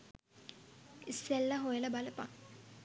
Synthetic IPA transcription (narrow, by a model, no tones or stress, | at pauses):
isːelːaɦojələbaləpaŋ